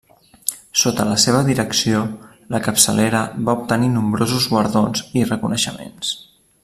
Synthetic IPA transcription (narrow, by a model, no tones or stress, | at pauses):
sot̪ələseβ̞əðiɾəksio | ləkəpsəleɾəβaup̚t̪əninumbɾozuzɣwəɾðonzirəkunəʃəmḛns